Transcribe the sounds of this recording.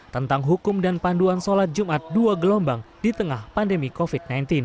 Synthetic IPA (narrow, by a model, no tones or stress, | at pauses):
t̪ənt̪aŋɦukʊmdanpanduansolat̪̚d͡ʒumʔat̪̚duaɡəlombaŋdit̪əŋahpandəmikofid̚najnt̪in